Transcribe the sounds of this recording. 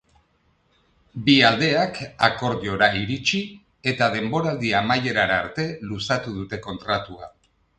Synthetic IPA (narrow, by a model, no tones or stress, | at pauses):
biald̪e̞akako̞ɾðio̞ɾaiɾit͡ʃi | e̞t̪að̞e̞mbo̞ɾald̪iamaje̞ɾaɾaɾt̪e̞lusat̪uðut̪e̞ko̞nt̪ɾat̪ua̰